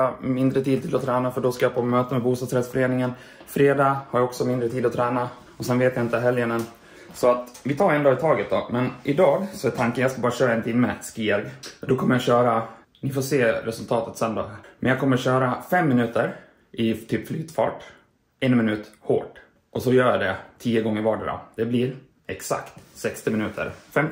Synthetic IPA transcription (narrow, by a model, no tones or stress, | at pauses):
amɪnd̪ɾət̪iːd̪̚t̪ʰɪlɔt̪ʰɾɛːnafœɖɔskajapʰomøːt̪əmɛbuːst̪ɑːsɾɛd̪sfœɾeːnɪŋən | fɾeːd̪ɑːhaɾjaɔksɔmɪnd̪ɾət̪ʰiːd̪ɔt̪ʰɾɛːna | ɔsɛnveːt̪jaɪnt̪əɦɛljənən | sɔat̪vɪt̪ʰɑːɾɛnd̪ɑːɪt̪ʰɑːɡət̪̚d̪ɔmɛnʔɪd̪ɑːɡsɔɛt̪ʰaŋkənjaskabɑːɾaɕœːɾaɛnt̪ʰiːd̪mɛskiɛɡd̪ɔkʰɔmːəɾjaɕœːɾa | nɪfoːseːɾɛsɵlt̪ʰɑːt̪ət̪sœnd̪a̰mɛnjɑkʰɔmːəɾɕœːɾafɛmːɪnʉ̟ːt̪əɾ | ʔɪt̪ʰyːpflyːt̪fɑ̰ːʈ | ɛnmɪnʉ̟ːt̪ho̰ːʈ | ʔɔsɔjœːɾjad̪ɛt̪ʰiːjəɡɔŋːəɾvɑːɖəd̪ɔ̰d̪̥ɛblɪɾ | ɛksa̰kt̪sɛkst̪ɪmɪnʉ̟ːt̪ʰə̰ɾfɛm